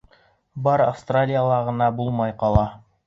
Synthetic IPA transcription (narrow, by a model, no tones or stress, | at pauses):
bɑɾafst̪ralʲijalˠɑʁɤ̆nɑbulˠmɑjqɑlˠɑ